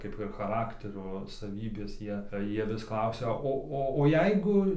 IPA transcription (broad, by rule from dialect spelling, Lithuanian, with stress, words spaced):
ˈkɐɪp ɪr xɐˈrɑːktʲɛrʲoː sɐˈʋʲiːbʲeːs ˈjiɛ ˈjiɛ ˈʋʲɪs ˈklˠɐʊsʲɛ ˈoː ˈoː oː ˈjɛɪɡʊ